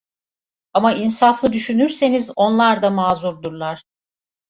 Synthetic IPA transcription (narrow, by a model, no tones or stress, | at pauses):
amainsaflˠɯd̪yʃynyɾse̞nizo̞nlˠaɾd̪amaːzuɾd̪uɾlˠaɾ̥